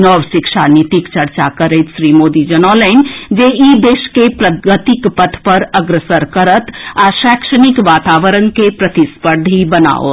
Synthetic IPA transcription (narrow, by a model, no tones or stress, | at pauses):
nɔwʃɪkʃaːnit̪ikt͡ʃəɾt͡ʃakəɾet̪ʃɾimoːd̪id͡ʒənɔləɪnd͡ʒeid̪eːʃkepɾəɡət̪ikpət̪ʰpɐɾəɡɾəsəɾkəɾət̪aʃɛːkʃənikʋaːt̪aːʋəɾənkepɾət̪ispəɾd̪ʱibəna̰ːo̰